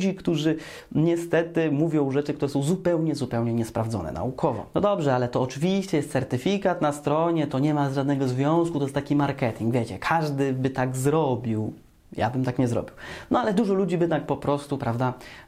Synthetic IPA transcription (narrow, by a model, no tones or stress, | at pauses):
d͡ʑikt̪uʐɘ | ɲɛst̪ɛt̪ɘmuvʲjɔ̃w̃ʐɛt͡ʂɘkt̪uɾɛsɔ̃w̃zupɛwɲɛzupɛwɲɛɲɛspɾavd̪zɔ̰nɛ̰na̰ukʰɔvɔ̰nɔd̪ɔbʐɛalɛt̪ɔːt͡ʂɘvʲiɕt͡ɕɛjɛst̪sɛɾt̪ɘfʲikat̪nast̪ɾɔɲɛt̪ɔɲɛmazʐad̪nɛɡɔzvʲjɔ̃w̃skut̪ɔjɛst̪akʲimaɾkɛt̪ʲiŋɡvʲjɛt͡ɕɛkʰaʐd̪ɘbɘt̪aɡzɾɔbʲiw | ja̰bɘmt̪akɲɛzɾɔ̰bʲiwnɔalɛd̪uʐɔlud͡ʑibɘt̪ak̚pɔpɾɔst̪upɾavd̪a